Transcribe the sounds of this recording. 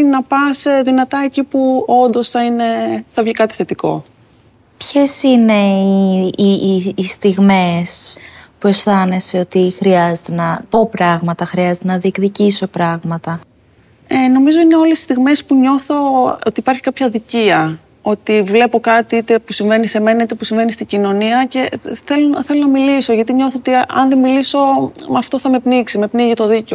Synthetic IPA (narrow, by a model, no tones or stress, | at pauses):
nɐpɐsðinɐt̪ɐecipuo̞nd̪o̞sθɐine̞θɐvʝikɐt̪i̥θe̞t̪iko̞̰ | pçe̞sine̞i | st̪iɣme̞spue̞sθɐne̞se̞o̞t̪ixɾiɐzet̪enɐpo̞pɾɐɣmɐt̪ɐxɾiɐzet̪enɐðiekðiciso̞pɾɐɣmɐt̪ɐ | eno̞mizo̞ine̞o̞lesi̥st̪iɣme̞spuɲo̞θo̞ot̪iːpɐɾçi̥kɐpçɐðiciɐ | o̞t̪ivle̞po̞kɐt̪iit̪e̞pusiɱve̞nise̞me̞nɐit̪epusiɱve̞nist̪iɟino̞niɐce̞θe̞loθe̞lo̞nɐmiliso̞ʝɐt̪̬iɲoθoot̪iɐ̰nðemiliso̞mɐft̪o̞θɐme̞pniksime̞pniʝit̪o̞ðiceo